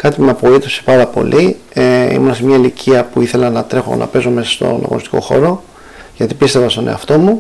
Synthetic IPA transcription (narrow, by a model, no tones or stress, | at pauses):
kɐt̪ipumeɐpoit̪o̞se̥pɐɾɐpo̞̰lʔieḭmunɐsemɲɐilicʰiɐpuiθe̞lɐnɐt̪ɾe̞xo̞̰nɐ̰pe̞zo̞me̞sɐ̥st̪o̞̰nɐ̰ɣonist̪i̥ko̞̰xo̞̰ɾo̞ | ʝɐt̪ipist̪e̞vɐst̪o̞nʔe̞̰ɐ̰ft̪o̞mu